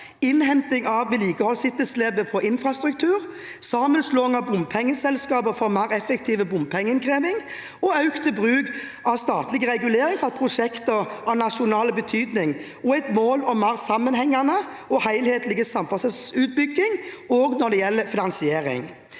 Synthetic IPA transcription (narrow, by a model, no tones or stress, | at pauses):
ɪnhɛmt̪ɪŋɑʋʋɪliːkəhɔlsɪt̪ːəsleːbəpʰɔʔɪnfʁɑst̪ɾʉk̚t̪ʰʉːɾ | sɑːmənsloːɪŋɑbʊmpʰɛŋːəsɛlskɑːbəfɔɾmæɪʁɛfɛkt̪ʰiːʋəbʊmpʰɛŋːənkʰɾeːʋɪŋ | ɔɑʉkt̪əbʁʉːɡ | ʔɑʋst̪ɑːt̪lɪɡəʁɛɡʉleːɾɪŋfɑpʰʁʊʂɛkt̪əɑnɑʃʊnɑːləbət̪ʰyːd̪nɪŋ | ɔæɪt̪moːlɔmːæːʁsɑmənhɛŋːɑnə | ɔhæɪlheːt̪əlɪɡəsɑmfɑsəsʉːt̪̚bʏɡːɪŋoːɡnɔd̪ɛjɛlːəfɪnɑnsɪeːɾɪ̰ŋ